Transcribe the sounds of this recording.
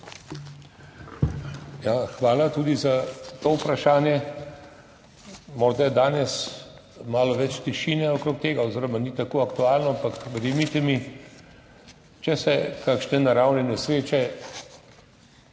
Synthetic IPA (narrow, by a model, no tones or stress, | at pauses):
jaxʋaːlat̪uːd̪izat̪oːupɾaʃaːnjɛ | moːɾd̪ajɛd̪aːnɛs | maːlɔʋɛt͡ʃt̪iʃiːnɛokɾoːk̚t̪eːɡaoziːɾɔmanit̪akoːakt̪uaːlnɔampakɡɛd̪emit̪ɛmi | t͡ʃɛsɛkaːkʃnɛnaɾawnɛnɛsɾeːt͡ʃɛ